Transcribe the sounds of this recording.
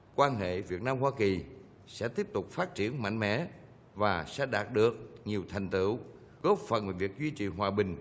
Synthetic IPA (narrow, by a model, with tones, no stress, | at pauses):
kwaː˧nɦḛ˧˨vi˨˩ət̚naː˧mhwaː˧ki˨˩ | sɛ̰˧˥t̪i˦˥əp̚t̪ʊ˨˩k͡p̚faː˦˥t̚t͡ɕi˧˩ənma̰˧˨jŋ̟mɛ̰˧˥ | vaː˨˩sɛ̰˧˥ɗaː˨˩t̚ɗɨ˨˩ək̚ɲi˨˩əwt̪ʰa˨˩jŋ̟t̪ɨ̰˧˩˨ | ko˦˥fə˨˩nve˨˩vi˨˩ək̚zwi˧t͡ɕḭ˨˩ɦwaː˨˩ɓï˨˩ŋ̟